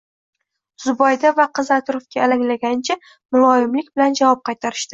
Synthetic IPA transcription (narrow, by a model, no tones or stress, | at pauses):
zʊbɒjd̪avaqʰɨzat̪ʰʊɾofkʲaːlaŋlaɡʲant͡ʃʰa | mʊlˠɒɪmlɪkʲbɪland͡ʒavɒp̚qʰɑjt̪ʰaɾɪ̥ʃd̪ɪ